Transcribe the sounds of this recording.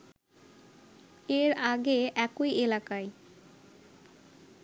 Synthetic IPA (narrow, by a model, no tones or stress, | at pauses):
eɾaɡeʔɛkojelakae